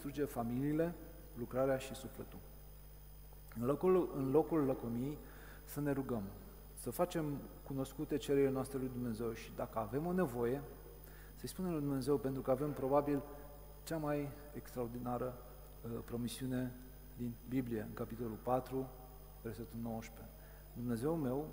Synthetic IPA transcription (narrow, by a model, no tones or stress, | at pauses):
ist̪ɾud͡ʒe̞familiːle̞ | lukɾaɾeaʃisufle̞t̪ul | ɨnlo̞kulːəkomijej | səne̞ɾuɡəm | səfat͡ʃe̞mkuno̞skut̪e̞t͡ʃe̞ɾeɾilenoast̪ɾelujd̪umne̞ze̞wʃid̪akəave̞mo̞ne̞vo̞je̞ | səjspune̞mlujd̪umne̞ze̞wpe̞nt̪ɾukəave̞mpɾo̞babil | t͡ʃamaj | ekst̪ɾaord̪inaɾə | pɾo̞misiune̞ | d̪inbiblije̞ɨ̰ŋkapit̪o̞lulpat̪ɾu | ve̞rset̪ulno̞woʃpe̞ | d̪umne̞ze̞wume̞w